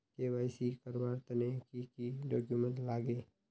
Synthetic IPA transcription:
keʋaːɪsikəɾʋaːɾt̪ənekikiɖɔːkjumə̃nt̪laːɡeː

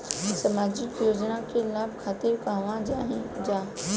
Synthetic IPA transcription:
sɐmaːd͡ʑɪkjoːd͡ʒnakʰelaːb̚kʰaːt̪ebkãːʋãd͡ʑaːɦɪ̃d͡ʑaː

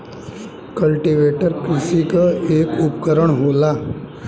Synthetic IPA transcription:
kəlʈiʋeʈəɾkɾisikəekupkəɾəɳɦola

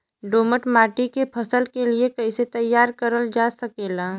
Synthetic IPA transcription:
ɖoːməʈmaːʈikepʰɐsəlkeliekɐiset̪ɐjːaːɾkəɾəld͡ʒaːsɐkeːlaː

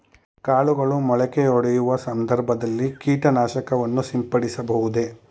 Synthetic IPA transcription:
kaːɭuɡɐɭumɔɭɛkeɔɽɛjuʋɐsɐnd̪ɐɾbʱɐd̪ɐlːikiːʈɐnaːʃɐkɐʋɐnːusimpɐɽisɐbɐɦud̪e̞

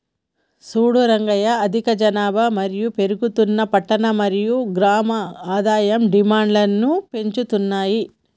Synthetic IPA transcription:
suːɽuɾɐŋɡɐjɐːd̪ʱikɐd͡ʒɐnaːbɐmɐɾijupe̞ɾuɡut̪unːɐpɐʈːɐnɐmɐɾijuɡɾaːmɐaːd̪aːjɐmɖimaːɳɖlɐnːupe̞ɲt͡ʃut̪unːaːji

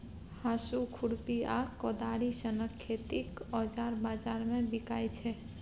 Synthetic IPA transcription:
hãsukʰuɽpiakɔd̪aɽisənəkʰːet̪ikɔd͡ʒaɾbad͡ʒaɾmẽbikajt͡ʃʰɛ

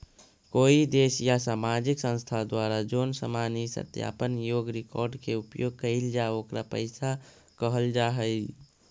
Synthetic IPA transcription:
koːid̪eːsjasaːmad͡ʒɪksə̃st̪ʰad̪waɾad͡ʒoːnsa̰manisə̰t̪ja̰pənjoːɡɾɪkɔ̰ːɾɖkeupjoɡ̚kəɪld͡ʒaoːkɾapə̰ɪsa | kəɦəld͡ʒaɦəi

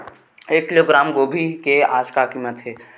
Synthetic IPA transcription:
eːkːɪloːɡɾaːmɡoːbʱikeaːd͡ʒkakiːmət̪ɦɛː

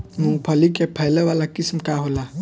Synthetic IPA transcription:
mũŋpʰəlikepʰɛjleʋalakɪsmkaɦola

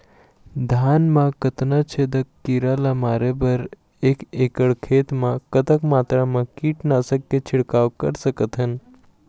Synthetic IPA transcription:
d̪ʱaːnmãkət̪nat͡ʃʰeːd̪əkːiːɾalamaːɾebəɾ | eːkeːkəɽkʰeːt̪mãkət̪əkmaːt̪ɾamãkiːʈnaːsəkːet͡ʃʰɪɽkaːʋkɐɾsəkət̪ɦən

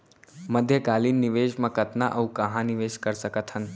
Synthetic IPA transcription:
məd̪ʱjəkaːliːnːiʋeːʃmãkət̪naʔɐwukɐɦãniʋeːʃkəɾsəkət̪ʰhən

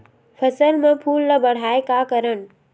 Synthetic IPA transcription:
pʰɐsəlmẽpʰuːlːəbɐɽ̤aːekakəɾən̆

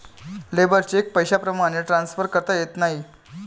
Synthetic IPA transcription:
lebəɾt͡ɕeek̚pəjɕapɾəmaɽ̃eʈɾansfəɾkəɾt̪ajet̪naɦi

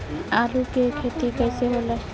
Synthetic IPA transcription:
aɾukekʰet̪ikajsebola

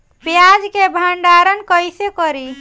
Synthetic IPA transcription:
pjad͡ʒkebʱaɳɖaɾənkəjsekəɾi

